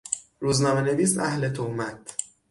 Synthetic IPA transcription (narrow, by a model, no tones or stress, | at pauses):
ɾuːznɒːmene̞viːs̬æhle̞t̪ʰohmæt̪ʰ